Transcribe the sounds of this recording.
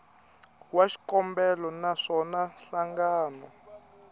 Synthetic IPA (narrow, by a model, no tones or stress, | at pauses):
waʃi̥kɔmbɛlɔnaʂɔnaɬaŋɡaːnɔ